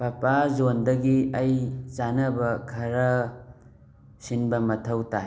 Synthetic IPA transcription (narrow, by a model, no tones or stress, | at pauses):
pɐpazondɐɡiɐjt͡ʃanɐbɐkʰɐɾɐ | sinbɐmɐtʰɐwta